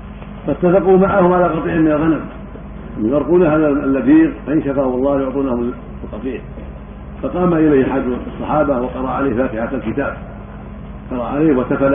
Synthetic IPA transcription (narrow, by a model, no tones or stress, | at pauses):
fat̪ːafɑqumaʕahʊmʕalaːqɑt̪ˤiːʕɪmɪnalɣanam | amjɑɾˤquːnahaːðalːad̪iːɾfaʔɪnʃafaːwɑlˤːɑːhjʊʕt̪ˤuːnahʊm | lqɑt̪ˤiːʕ | fɑqɑːmaʔɪlajhħad̪sˤːɑħɑːbahwɑqɑɾˤɑʕaleːhfaːt̪ɪħat̪alkɪt̪aːb̚ | qɑɾˤɑ̰ʕa̰leːhwasafal